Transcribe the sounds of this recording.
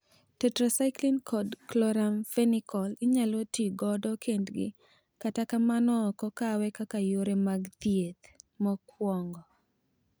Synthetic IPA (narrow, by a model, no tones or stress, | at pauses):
tɛtɾasaɪklinkʰɔdklɔɾamfɛnikʰɔliɲalotiɡɔdɔkʰendɡɪ̰ | katakamanɔkɔkawɛkakajoɾemaɡd̪jet̪mɔkwɔŋɡɔ